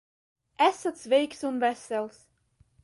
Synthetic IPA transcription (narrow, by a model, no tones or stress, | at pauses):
ʔɛsətsvejksunvɛsɛlˠs